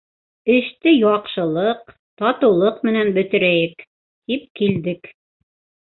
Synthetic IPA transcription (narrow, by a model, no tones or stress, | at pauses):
ɘ̆ʃt̪ɘjɑqʃɤ̆lˠɤq | t̪ɒt̪ɤ̆wlˠɤqmɘ̆nænbɵ̆t̪ɘ̆ɾæjɘk | t̪ip̚kild̪ɘk